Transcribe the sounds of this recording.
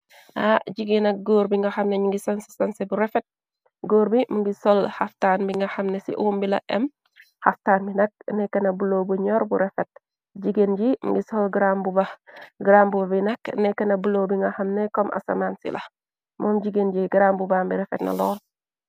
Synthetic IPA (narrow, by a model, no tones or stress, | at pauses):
ʔaɟiɡenɐk̚ɡoːɾbiŋɡɐxɐmnɛɲuŋɡisɐnsi̥sɐnsɛbuɾɛfɛt̚ | ɡoːɾbimuŋɡisɔlhaftaːnbiŋɡɐxɐmnɛsḭʔumbilɐ̰ʔɛm | haftaːnbinɐk̚nɛkːɐnɐbulowbuɲɔɾbuɾɛfɛt̚ | d͡ʒiɡend͡ʒimṵŋɡisɔlɡɾambubɐɡɾambubɐbinɛknɛkːɐnɐbulowbiŋɡɐxɐmnɛkɔmʔɐ̰sɐ̰maːnsḭlɐ̰ | mɔːmɟiɡend͡ʒiɡɾaːmbubaːmbiɾɛfɛ̰tnɐ̰lɔːl